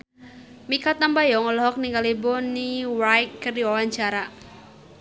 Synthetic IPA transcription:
mikat̪ambajɔŋɔlɔɦɔk̚niŋɡalibɔniwajkkɨrdiwawaɲt͡ʃaɾa

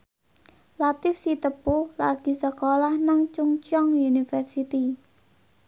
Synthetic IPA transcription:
lat̪ɪfsit̪əpularɡ̥i̤səkolahnaŋt͡ʃuŋt͡ʃɔŋjunifərsit̪i

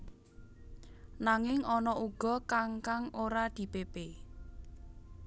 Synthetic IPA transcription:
naŋɪŋɔnɔʔuɡ̥ɔ̤kaŋkaŋoɾad̪̥i̤pepe

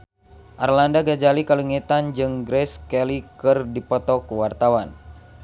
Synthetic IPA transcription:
ʔarlandaɡad͡ʒalikaluŋet̪and͡ʒɨŋɡɾɛskɛlikɨrdipɔt̪ɔkːuwart̪awan

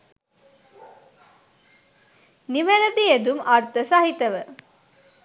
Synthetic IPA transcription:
niʋeɾəd̪ied̪umart̪əsaɦit̪əʋə

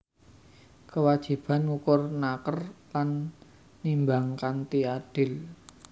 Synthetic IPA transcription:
kəwad̥ʒ̥i̤b̥a̤nukʊrnakərlanː | imbaŋkant̪iaɖ̥ɪl

